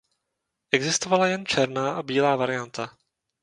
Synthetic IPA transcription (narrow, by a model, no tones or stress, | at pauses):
ʔɛɡzɪst̪ovalajɛnt͡ʃɛɾnaːʔabiːlaːvaɾɪjant̪a